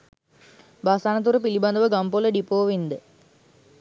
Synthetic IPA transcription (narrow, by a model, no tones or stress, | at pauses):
baːsaːnət̪̬uɾəpilibɐnd̪əʋəɡampoləɖipoːʋind̪ə